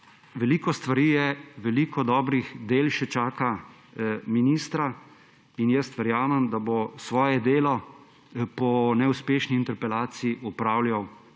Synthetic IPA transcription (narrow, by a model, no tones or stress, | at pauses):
ʋɛliːkɔst̪ʋaɾiːjɛʋɛliːkɔd̪ɔːbɾixd̪eːlʃɛt͡ʃaːka | miniːst̪ɾa | injɛst̪ʋɛɾjaːmɛmd̪abosʋɔːjɛd̪eːlɔ | pɔnɛuspeːʃniːnt̪ɛɾpɛlaːt̪siiʔupɾaːwljaw